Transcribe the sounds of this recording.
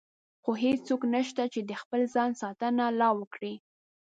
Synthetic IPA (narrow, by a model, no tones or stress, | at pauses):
xoɦet͡soknəʃt̪at͡ʃed̪əxpəlzɑnsɑt̪ənalɑwəkɽi